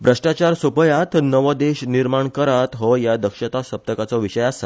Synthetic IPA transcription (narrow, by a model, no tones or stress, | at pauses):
bɾəʂʈat͡ɕaɾsupəjat̪ʰnəʋəd̪eɕniɾmaɳkəɾat̪ɦɔjad̪əkʂət̪asəp̚t̪əkat͡sɔʋiɕəjasa